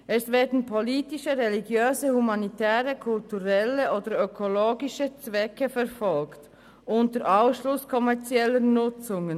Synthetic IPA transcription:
ʔɛsvɛːɐdn̩pʰoliːtɪʃəʁɛliɡjøːzəhumanitʰɛːʁəkʰʊltuʁɛləʔoːdəɾøkʰoloːɡɪʃət͡sv̥ɛkəfɛʁfɔlkt | ʔʊntəɾʔaʊsʃlʊskʰɔmɛɐt͡sjɛlənʊt͡sʊŋən

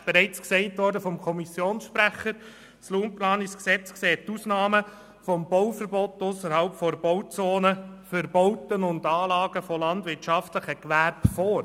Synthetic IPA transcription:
b̥ɛɾɛɪt͡sksɛɪtʋɔɾdəfɔmkʰɔmisjoːnsʃpɾæχəɾ | sluːnplɑːnisksɛt͡skseːttusnɑːmə | fɔmbɔwfəɾbɔtʊsəɾhɑlpfɔɾb̥ɔwt͡soːnəfəɾbɔʊtənʊndɑːlɑːɡəfɔlɑndʋɪɾtʃɑftləχəkʋæɾbfɔːɾ

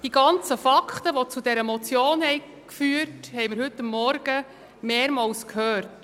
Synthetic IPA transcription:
d̥iɡɑnt͡səfɑkʰχt̪əʋɔt͡sudɛɾəmɔt͡sjoːnhɛj | kfyːərthɛjməɾhɵtːɑmːɔɾɡ̥ə | meːɾmɑlskʰhœːɾt

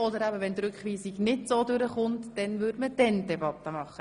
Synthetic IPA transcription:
ɔd̪əɾæbəʋɛnd̪ɾʏkχʋiːsiɡnɪtsoːdʉɾəχʊntd̥ɛnvʏdməd̥ɛndɛbɑt̪ːəmɑχːə

